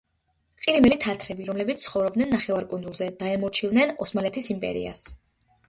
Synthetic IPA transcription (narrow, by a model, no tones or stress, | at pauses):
qʼiɾimɛlit̪ʰat̪ʰɾɛbiɾɔmlɛbit̪ssʰχɔvɾɔb̚d̪nɛnːaχɛvaɾkʼund̪zulˠzɛd̪̥aɛmɔɾt͡ʃʰilˠd̪nɛnɔsmalɛt̪ʰisimpʼɛ̰ɾḭa̰s